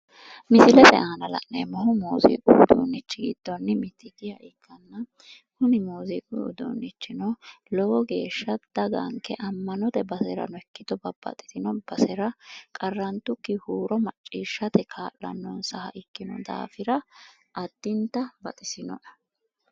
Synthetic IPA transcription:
mɪsɪlɛt̪ɛ̰ʔaːnɐlɐ̰nnɛ̰mɔhʊmoːzḭːʔʼʊʊd̪ṵːnːɪt͡ʃːɪɡɪ̰d̪̥ːɔnːɪmɪt̪ʰːɪɡɪjɐ̰ʔɪkʰːɐnːɐ | hʊnɪmoːzḭːʔʼʊd̪ṵːnːɪt͡ʃːɪnɔlɔwɔɡe̞ːʃːɐd̪̥ɐɡɐ̰ŋkːɛʔɐmːɐnɔt̪ɛbɐsɛɾɐ̰nɔɛkːɪd̪ɔbɐb̥ːɐ̰t̪ʼɪ̥t̪ɪnɔb̥ɐsɛɾɐkʼɐrːɐnt̪ʊkːɪhuːɾɔmɐt͡ʃʼːiːʃːɐt̪ɛkʰaːʔlɐ̰nːɔnsɐhɐ̰ʔɪkːɪnɔd̪a̰ːfɪɾɐ | ʔɐd̪̥ːɪnt̪ɐbɐt̪ʼɪsɪnɔ̰ᶑɐ̥

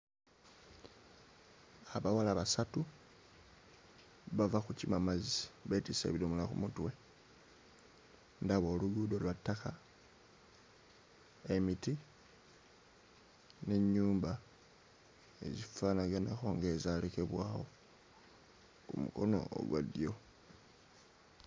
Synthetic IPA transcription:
aβawalaβasatu | βavaxucimamaziβetisḛβilomulaxṵmutwe̞ | ndaβo̞ːluɡudolwatːaka | e̞miti | ne̞ɲːuːmba | ḛzifanaɡanaxo̞ːŋɡe̞zaleke̞βwaːwo̞̰ | kṵmṵko̞̰no̞̰o̰ɡwa̰djo̞

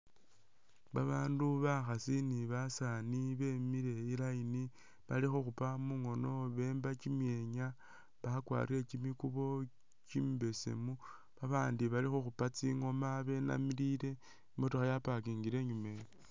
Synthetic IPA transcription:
βaβaːnduβaxasiniβasaniβe̞miɾe̞ilaini | βalixoxupamuŋo̞no̞βe̞ːmbat͡ʃimjeɲa | βaxakwa̰ːrie̞t͡ʃimikuβo̞ | cimbe̞se̞̰mu | βaβaːndiβalixoxupat͡siŋo̞maβe̞na̰miliɾe̞ | motuxajapakiŋɡiɾe̞ɲume̞jo

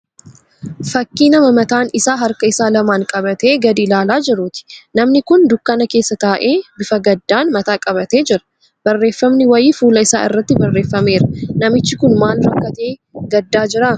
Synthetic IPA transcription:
fɐkːiːnɐmɐmɐt̪aːnɪsaːɦɐɾkɐɪsaːlɐmaːŋkʼɐbɐt̪e̞ːɡɐd̪iːlaːlaːd͡ʒɛɾuːt̪ɪ̥nɐmnɪkʊnd̪ʊkːɐnɐke̞ːsːɐt̪aːʔe̞ːbɪfɐɡɐd̪ːaːnmɐt̪aːkʼɐβɐt̪e̞ːd͡ʒɪɾɐ̥ | b̥ɐrːe̞ːfːɐmnɪwɐjiːfuːlɐɪsaːɪ̰rːɐt̪ːɪbɐrːe̞ːfːɐme̞ːɾɐnɐmɪt͡ʃːɪkʊnmaːlɾɐkːɐt̪e̞ːɡɐd̪ːaːd͡ʒɪɾɐ

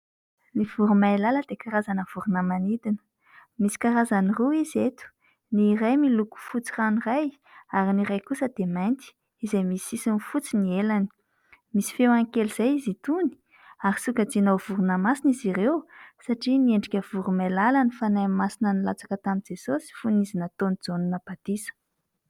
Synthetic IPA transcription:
niv̥uɾumajlaləd̪̥ekaɾazanəv̥uɾunəmanid̪inə̥ | misi̥kaɾazaniruizet̪u̥ | nirajmiluku̥fut͡siraniraj | aɾiniɾajkusəd̪̥emajnt̪i̥ | izajmisisinifut͡sinielani̥ | misi̥fewaŋkeliz̥ajizit̪uni̥ | aɾisukad͡zinowv̥uɾunəmasinizirewsaʈ͡ʂinieɳɖ͡ʐikʲəv̥uɾumelalanifanajmmasinənilat͡sḁkət̪amind͡zesosi̥funizinət̪onid͡zonunapat̪isə̥

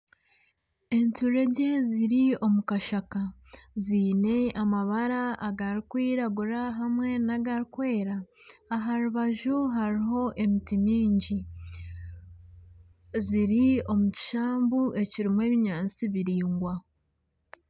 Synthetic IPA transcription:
e̞ntuɾe̞ɟe̞ziɾio̞mukaʃakaziːne̞amaβaɾaːɡaɾikwiːɾaɡuɾaɦamŋe̞naɡaɾikwe̞ːɾaːɦaɾuβaʒuɦaɾiɦo̞ʔe̞mitimiːɲɟi | ziɾio̞muci̥ʃaːmbuʔe̞ciɾimwe̞ːβiɲaːnt͡siβiɾiːŋɡwa

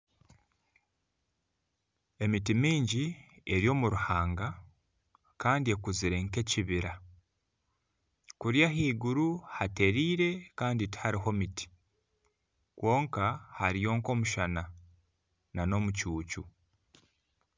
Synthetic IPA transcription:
e̞mitimiːɲɟi | e̞ɾjo̞ːmuɾuhaːŋɡa | kaːndie̞kuziɾe̞ŋke̞ciβiɾa | kuɾjaɦiːɡuɾuhate̞ɾiːɾe̞kaːndithaɾiɦo̞miti̥ | kwo̞ːŋkahaɾijo̞ːŋko̞ːmuʃana | nano̞mucuːcu

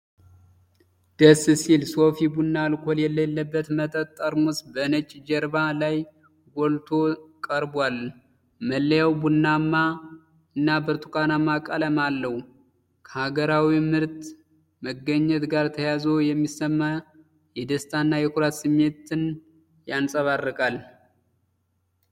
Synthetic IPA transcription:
d̪̥əsːɨsilsofibunːalkʷʰoljɛlːelːəbːət̪mət̪ʼət̪ʼːəɾmusbənət͡ʃʼd͡ʒɛɾbalaj | ɡʷolt̪ʰo̞kʼəɾbwal | məlːəjawbunːamːa | ɨnːabɨɾt̪ʰukʷʼanamːakʼələmalːəw | kʰəhaɡəɾawimɨɾt̪ | məɡːəɲːɛt̪ɡaɾt̪ʰəjazo̞jɛmːisːəmːa | jɛd̪əst̪ʰanːajɛkʰuɾat̪sɨmːe̞t̪ɨn | jansʼəβarːɨkʼal

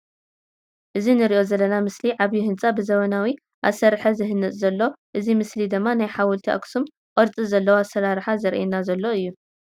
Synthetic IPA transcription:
ʔɨzinɨɾiʔozɐlːɐnamɨsliʕaβjiɦɨnt͡sʼabɨzɐβɐnawi | ʔa̰sɐɾħazɨhɨnːɨt͡sʼzɐlːo̞ʔɨzimɨslid̪ɨmːanajħawɔlt̪ʰiʔa̰ksum | qʼɐɾt͡sʼizɐlːɐwoasɐɾaɾħazɐɾʔɛnazɐlːo̞ɨjːu

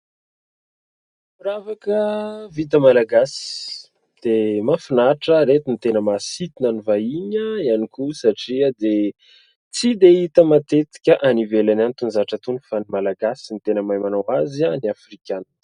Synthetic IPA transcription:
ɾavakəvit̪̬əmalaɡasi̥ | d̪̥emafinaʈ͡ʂəɾet̪init̪enəmasit̪inanivaiɲəianikusaʈ͡ʂiəd̪e | t͡sid̪eit̪əmat̪et̪i̥kʲəʔanivelanant̪unzaʈ͡ʂat̪unifanimalaɡasint̪enəmajmanowazaniafrikʲanan

